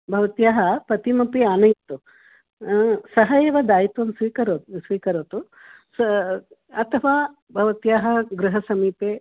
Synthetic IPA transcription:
bʱɐʋɐt̪jaːɦɐpɐt̪imɐpiaːnɐjt̪ːu | sɐɦɐjeːʋɐd̪aːjit̪ʋɐmsʋiːkɐɾot̪sʋiːkɐɾoːt̪u | s | ɐt̪ʰɐʋaː | bʱɐʋɐt̪jaːɦɐɡɾuɦɐsɐmiːpeː

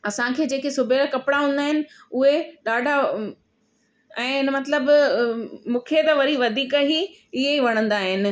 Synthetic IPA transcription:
ɐsãkʰeːd͡ʑeːkesʊbʱeɾakɐpɽaɦũːnd̪aːɦɪnɪ̆ | ʊɦeɗaːɖʱa | ɛ̃ːɪnmɐt̪ləb | mũːkʰet̪ɐʋɐɾiʋɐd̪ʱiːkaɦi | ɪɦeiʋɐɽ̃ə̃nd̪aːɦɪnɪ̆

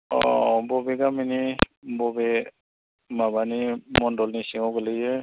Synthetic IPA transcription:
ɔ̰bɔbɛɡaminibɔbɛ | mabanimɔndɔlnisiŋɔɡelɯjɛ

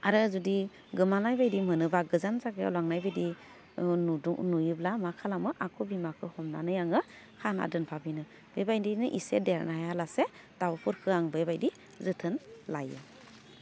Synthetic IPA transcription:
aɾɯzudi | ɡɯmanajbajdimɯnɯbaɡɯzanzaɡeɔ̰laŋnajbedi | dunujublamakʰalamɯʔakʰubimakʰɯhɔmna̰nɯjaŋɯ | kʰana̰dɯnpʰabinɯ | b̥ebajdinɯʔisedeɾnajalase | d̥awpʰɯɾkʰɯaŋbebajdi | zɯtʰɯnlajɯ̰

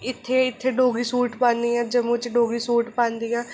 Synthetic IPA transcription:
ɪt̪ʰːeːɪt̪ʰːeːɖoːɡiːsuːʈpãːnd̪iːãːd͡ʒəmũːt͡ʃɖoːɡiːsuːʈpãːnd̪iːãː

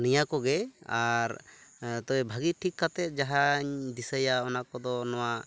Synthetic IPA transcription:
nijakɔɡɛaɾt̪ɔɛbʱaɡiʈʰikːat̪ɛt̪̚d͡ʒaɦaɲd̪isəjaɔnakɔd̪ɔnɔwa

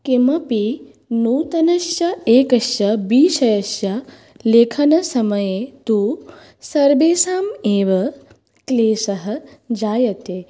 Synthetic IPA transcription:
kemɐpi | nuːt̪ɐnɐʃjɐeːkɐʃjɐbiːʃɐjɐʃjɐ | leːkʰɐnɐsɐmɐjeːt̪u | sɐɾbeːsaːmeːʋɐ | kleːsɐɦɐ̆d͡ʒaːjɐt̪eː

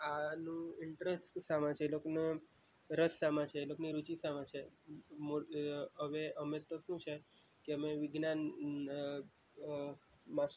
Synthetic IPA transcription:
anũiɳʈɾesʈsãmãt͡ʃʰeloknə | ɾəsːãmãt͡ɕʰelokniɾut͡ɕisamãt͡ɕʰemoəʋeəmet̪ːɔsũɕaj | kiɦəmeʋiɡnan | mas

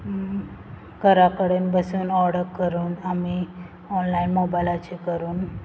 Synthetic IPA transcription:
kəɾakəɽenbəsuːnɔɾɽəkːəɾuːnami | ɔnlainmobajlat͡ɕekəɾuːn

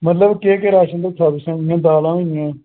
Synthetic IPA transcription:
mət̪ləbkeːkeɾaːʃə̃nd̪aːsʰaːbɪsãːjãːd̪aːlãːɪjãː

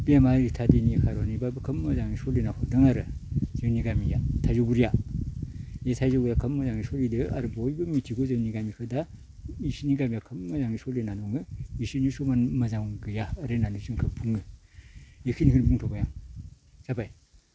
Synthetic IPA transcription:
bijamaɾitʰadinikʰaɾonibabɯkʰɯmːɐzaŋisolinakʰodɯŋaɾɯzeniɡamija̰tʰajzuɡuɾija | etʰajzuɡuɾjakʰɯmmɐzaŋisolidɯa̰ɾɯbojbɯmitʰiɡozɯniɡamikʰɯda | isiniɡamijakʰɯmmɐzaŋisolinanɔŋɯisinisomanmɐzaŋɡɯjaːɾenanuziŋkʰɯpʰuŋɯ | jikʰinikʰɯnpʰuŋtʰobajaŋ | z̥abaj

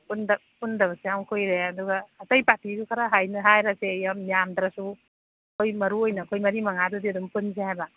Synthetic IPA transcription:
pundɐ | pundɐβɐsejamkʰojɾeɐduɡaːtɐjpatisukʰaɾaɦajnɐɦajɾasejamijamd̪ɾasu | ɐkʰojmɐɾuojnɐkʰojmɐɾimɐŋadudiɐdumpunzehajbɐ

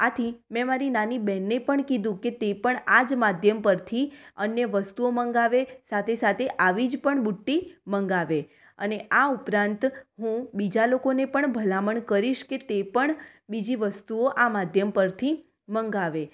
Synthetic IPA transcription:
at̪ʰimɛ̃maɾinanibɛnːepəɳkid̪ũket̪epəɳad͡ʒmad̪ʱjəmpəɾt̪ʰiənjəʋəst̪uoməŋɡaʋesat̪ʰesat̪ʰeʔaʋid͡ʒpəɳbuʈːiməŋɡaʋe | ə̰neʔaupɾãnt̪ɦũbid͡ʒalokonepəɳbʱəlaməɳkəɾiʃket̪epəɳ | bid͡ʒiʋəst̪uoʔamad̪ʱjəmpəɾt̪ʰi | məŋɡaʋe

